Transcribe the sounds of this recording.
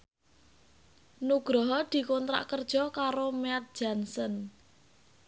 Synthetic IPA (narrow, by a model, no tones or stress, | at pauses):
nuɡ̥ɾɔɦɔd̪̥i̤kɔnt̪ɾa̰ʔkərd̥ʒ̥ɔ̤kaɾomeat̪̚dd͡ʒ̥ansən